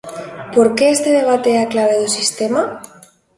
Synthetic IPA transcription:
poɾkeest̪eðeβ̞at̪eeaklaβ̞eðosist̪ema

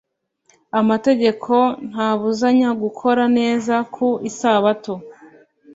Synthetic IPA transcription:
amate̞ɟe̞kʰo̞n̥haːβuzaɲaɡukʰo̞ɾane̞ːzakʰuisaːβato

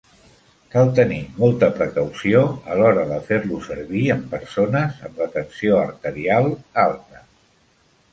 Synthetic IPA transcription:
kalˠt̪ənimɔlˠt̪əpɾəkəwsioəlɔɾəðəfeɾlusəɾβiəmpəɾsonəzə̰mlət̪ənsioəɾt̪əɾialˠalˠt̪ə

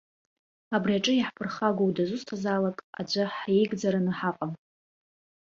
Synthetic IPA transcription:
abriaʈ͡ʂʼɨjaħpʰɨrχaɡʷowdazʷʊstʰazaːlakʼa̰d͡ʒʷaħjejɡd͡zaɾanɨħaqʼam

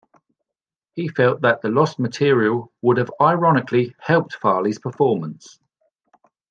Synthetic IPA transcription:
hifɛlˠʔðəʔðəlɒsmətʰɪəɹiəlˠwʊdəvaɪɹɒnɪkʰlihɛlˠp̚tfɑːliz̥pʰəfɔːmə̃ns

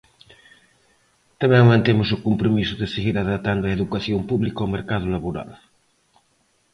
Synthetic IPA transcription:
t̪amɛŋmãnt̪emusukumpɾomisuðeseɣiɾaðat̪and̪oaeðukaθjompuβlikameɾkaðulaβoɾa̰l

